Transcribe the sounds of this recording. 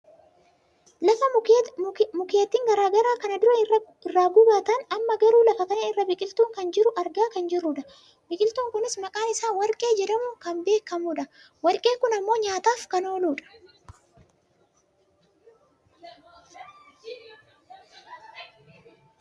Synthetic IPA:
lɐfɐ | mʊkeːt̪ːiːŋɡɐɾaːɡɐɾaːkɐnɐd̪ʊɾɐ | ɪrːaːɡʊbaːt̪ɐnɐmːɐɡɐɾuːlɐfɐt̪ɐnɐɪrːɐbɪkʼɪlt̪uːŋkɐnd͡ʒɪɾʊʔɐɾɡaːkɐnd͡ʒɪrːʊᶑɐ | bɪkʼɪlt̪uːŋkʊnɪsmɐkʼaːnɪsaːnwɐɾkʼe̞ːd͡ʒɛᶑɐmʊkɐmbe̞ːkːɐmuːᶑɐ | wɐɾkʼeːkʊnɐmːo̞ːɲaːt̪aːfkɐno̞ːluːᶑɐ̥

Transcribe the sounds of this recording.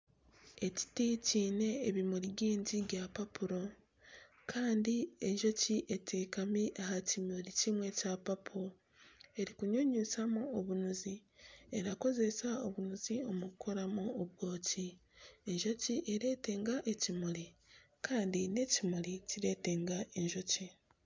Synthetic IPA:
e̞ci̥ticiːne̞ːβimuɾiɡiːɲɟiβjapapuɾo̞ | kʰaːndie̞ʒo̞ciʔe̞tʰe̞ːkamiʔahacimulicimwe̞capapuo | e̞ɾikuɲoɲusamuoβunuzie̞ɾako̞ze̞sao̞βunuzio̞mukʰo̞ɾamuoβwo̞ːcie̞ɲʒo̞ciʔeɾe̞ːte̞ːŋɡaʔe̞cimuɾi | kaːndine̞cimuliciɾe̞ːte̞ŋɡaʔe̞ɲʒo̞ci

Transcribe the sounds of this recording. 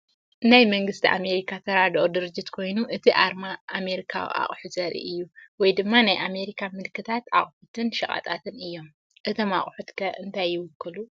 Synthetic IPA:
najmɐŋɡɨst̪ʰiʔame̞ɾikʰat̪ʰɐɾad̪ʔod̪ɨɾɨd͡ʒːɪt̪kʰo̞jnuʔɨt̪ʰiʔaɾmaːme̞ɾikʰa̰wḭʔa̰χʼħuzɐɾḭʔɨjːuwɔjd̪ɨmːanajʔame̞ɾikʰamɨlkʰːɨt̪ʰat̪a̰χʼħut̪ʰɨnʃɐkʼa̰t̪ʼa̰t̪ʰɨnɨjːo̞m | ʔɨt̪ʰo̞ma̰χʼħut̪kʰɐʔɨnt̪ʰajːɪwʊkʰːɨlu

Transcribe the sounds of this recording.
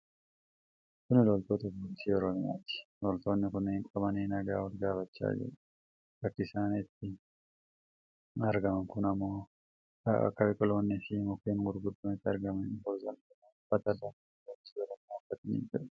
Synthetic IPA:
kʊnɪlɔlt̪oːt̪ɐbɔt͡ʃiɔɾɔmɪja̰ːt̪ɪ̥lɔlt̪o̞ːnːɪkʊnɪhɪŋkʼɐmɐniːnɐɡaːwɐlɡaːfɐt͡ʃːa̰ːd͡ʒɪ̰ɾ | ɾɐkːɪsaːniːt̪ːɪ | ɐɾɡɐmɐŋkʊnɐmːoː | ɐ̰ɐ̰kːɐbɪkʼɔlo̞ːnːɪfɪmʊkːeːnɡʊɾɡʊd̪ːʊmɪt̪ːɪɐɾɡɐmɐfɔɾzɐŋkʊnɐ | bɐt̪ɐd̪aɐdɔnt͡ʃːiːɔɾɔmɪjaːkːɐt̪ɐnɪ̰d͡ʒʊ̥

